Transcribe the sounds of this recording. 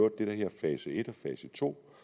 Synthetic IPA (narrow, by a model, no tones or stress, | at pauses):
oɐ̰d̥̚ːeɾ̥æheɐ̰fɛːsəe̝d̥ɒ̽fɛːsət͡sʰo̝̰ː